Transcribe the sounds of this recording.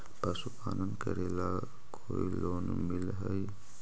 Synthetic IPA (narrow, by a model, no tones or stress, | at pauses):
pəsupanənkə̰ɾela | kʰoiloːn | milɦəj